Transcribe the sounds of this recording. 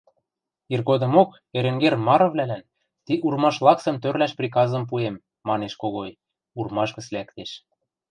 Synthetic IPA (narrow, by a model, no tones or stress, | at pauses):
irɣod̪ɤ̆mok | eɾĕŋɡermɑɾɤ̆vlælæn | t̪iʔurmɑʃlˠɑksɤ̆mt̪ørlæʃprʲik̬ɑzɤ̆mp̬uemː | ɑneʃkoɣoj | urmɑʃkɤ̆slækt̪eʃ